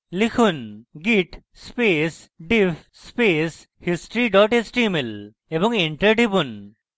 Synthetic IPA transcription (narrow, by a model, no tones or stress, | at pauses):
likʰunɡiʈ | spesɖipʰ | spes | hisʈɾiɖɔʈesʈimel | ebɔŋeɳʈəɾɖipun